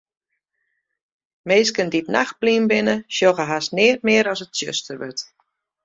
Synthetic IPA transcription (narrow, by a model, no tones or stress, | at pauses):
meːskənditna̰x̚pliːnbɪnəʃjoɣəɦasnɪət̚mɪəɾɔsətsjø̰stərʋøt